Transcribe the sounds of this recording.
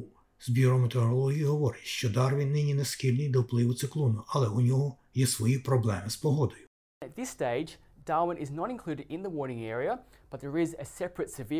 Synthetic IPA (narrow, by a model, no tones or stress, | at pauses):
z̥bʲiɾɔmet̪eɾɔlˠɔɦʲijiɦɔʋɔɾɪtʲʃt͡ʃɔd̪ɑrʋʲinːɪnʲineskilʲnɨjd̪ɔwplˠɪʋʊt̪sɪklˠɔnʊʔɐlˠɛʊnʲɔɦɔ | jɛsʋɔjipɾɔblˠɛmɪspɔɦɔd̪ɔjʊ | ɨt̪̚ðɪsteɪd͡ʒ | d̥ɑmə̃nʔɪznəɾɨ̃nkʰl̥ʉɾɨɾɪ̃nðəwɔɹnɪ̃ŋɛɹiə | b̥ʌt̪̚ðə˞ɪzɨsɛpɹɨtsɪvɪ